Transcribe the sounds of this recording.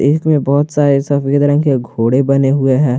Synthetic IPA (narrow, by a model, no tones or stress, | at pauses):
ɪsmẽbɔɦʊt̪saːɾesɐfked̪ɐɾə̃ŋkeɡʱoːɽebɐneɦʊeɦɛ̃ː